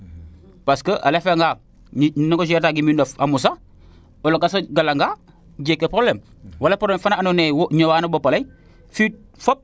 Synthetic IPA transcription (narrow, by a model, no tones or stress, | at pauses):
paskəʔa̰lefeŋɡa | noɡoʃ̬ɛɾtaɡimindofamus̬a | olokasaɡalaŋɡa | ɟekːepɾoblem | walapɾoblemfanaanonewɲowaːnobopalaj | fiːt̚fop̚